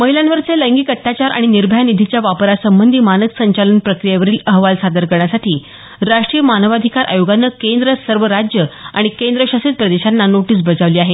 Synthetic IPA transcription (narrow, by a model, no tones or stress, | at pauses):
məɦilanʋəɾt͡seləŋɡiːkət̪ːjat͡ɕaɾʔa̰ɽ̃iniɾbʱəjanid̪ʱit͡ɕjaʋapəɾasəmbənd̪ʱiːmanət̪səɲt͡ɕalənpɾəkɾijeʋəɾiːləɦʋalsad̪əɾkəɾɳ̃jasaʈʰiː | ɾaʂʈɾijəmanəʋad̪ʱikaɾʔa̰joɡanːəkend̪ɾəsəɾʋəɾad͡ʑjəa̰ɽ̃ikend̪ɾəɕasit̪̚pɾəd̪eɕanːanoʈiːs̬bəd͡zaʋliːaɦe